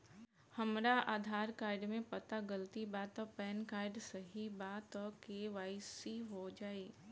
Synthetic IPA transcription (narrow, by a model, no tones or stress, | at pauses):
hɐmɾaʔaːd̪ʱaːɾkaːɪɖmẽpɐt̪aɡəlt̪ibaːt̪ɔpɛːnkaːɪɖsɐɦibaːt̪ɔkeːʋaːisiɦod͡ʒaːeː